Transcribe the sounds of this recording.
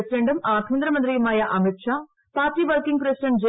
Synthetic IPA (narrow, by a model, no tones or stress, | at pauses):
sɪɾeɳɖɐmaːt̪ʰmɐnd̪ɾɐmɐnd̪ɾijɐmaːjaʔɐmet̪ʂaː | paːt̪ɾiʋɐɾkiŋɡpɾesɪɖɐɳʈ̚d͡ʒɐ